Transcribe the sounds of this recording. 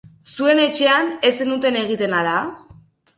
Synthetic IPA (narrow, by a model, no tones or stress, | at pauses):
sue̞ne̞t͡ʃe̞ane̞senut̪e̞ne̞ɣ̞it̪e̞nala